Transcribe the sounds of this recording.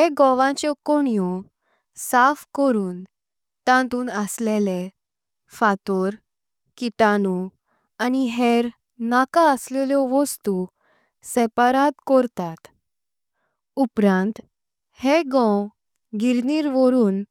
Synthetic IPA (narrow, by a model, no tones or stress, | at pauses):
heɡɔ̃ʋãt͡ɕɔkɔɳijɔ | safkɔɾuːn | t̪ãt̪uːnəslele | fat̪ɔɾ | kiʈ̪anu | aniɦeɾ | nakaəsleljɔʋɔst̪u | sɛpaɾat̪kɔɾt̪at̪ | upɾãnt̪ | heɡɔ̃w | ɡiɾniːɾʋɔɾuːn